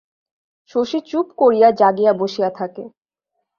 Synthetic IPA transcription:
ʃoʃit͡ɕupkoɾijad͡ʑaɡijaboʃijat̪ʰake

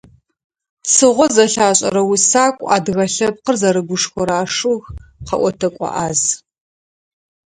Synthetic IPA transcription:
t͡sʰɨʁʷɔzɐɬaːɕʼɐ̰ɾɐwisaːkʷʼa̰ːdɣɐɬɐp̚qərzɐɾɨɡʷʊʂxʷɔɾaːʂɨɣqɐ̰ʔʷɔtʰɐkʷʼɑ̰ʔaːz

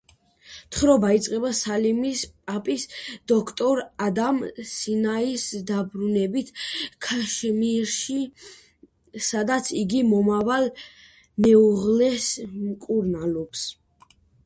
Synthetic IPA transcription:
t̪ʰχɾɔbait̪sʼqʼɛbasalimispʼapʼisd̪̥ɔkʰt̪ʼɔɾad̪amsinaisd̪abɾunɛbit̪ʰkʰaʃmiɾʃi | sad̪at̪sʰiɡimɔmaval | mɛuʁlɛsmkʼuɾnalɔps

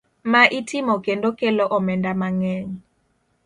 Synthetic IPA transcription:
maʔitʰɪmokendokelɔʔɔmɛndamaŋɛɲ

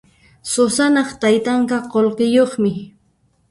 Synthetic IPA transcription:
sosanɑχt̪ajt̪aɴkɑqolqɪjoχmɪ

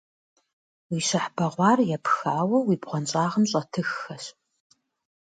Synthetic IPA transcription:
wiːɕɐħb̥ɐʁʷɑːrjɛpxaːwɐwiːbʁʷɔnt͡ʃʼaːʁəmɕʼɐtʰɨxːɐɕ

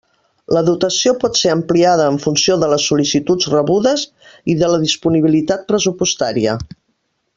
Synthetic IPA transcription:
ləðut̪əsiopɔt̪seəmpliað̞əːɱfunsioðələsːulisit̪ud͡zrəβuðəz | iðələðispuniβ̞ilit̪at̪̚pɾəsupust̪aɾiə

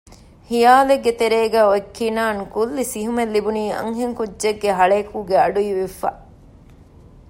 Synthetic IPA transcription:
hijaːleɡːet̪eɾeːɡæːoekːiːnaːnkulːisiɦumelːibuniːɐ̰ŋɦeŋkudʒeɡːeɦɐɭeːkuːɡeɐɖujiʋifa̰

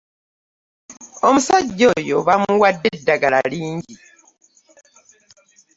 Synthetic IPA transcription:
omusaɟːojo̞βamuwadːedːaɡalaliːɲɟi

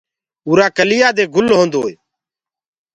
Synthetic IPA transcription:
uːɾaːkəlɪjaːd̪eːɡʊlɦõːnd̪oːeː

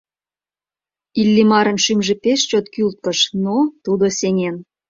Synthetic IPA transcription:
ilːimɑɾə̆nʃymʒĕpeʃt͡ɕot̪kylt̪̚kə̆ʃnot̪ud̪osʲeŋʲen

